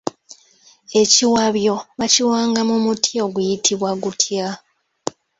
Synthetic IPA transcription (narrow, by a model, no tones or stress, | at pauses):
e̞ciwaβjo̞βaciwaːŋɡamumutʰjo̞ɡujitʰiβwaɡutʰja